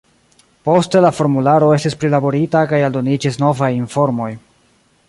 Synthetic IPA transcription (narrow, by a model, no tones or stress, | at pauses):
po̞ste̞lafo̞ɾmulaɾo̞e̞stispɾilabo̞ɾitakajaldo̞nid͡ʒisno̞vajinfo̞ɾmo̞j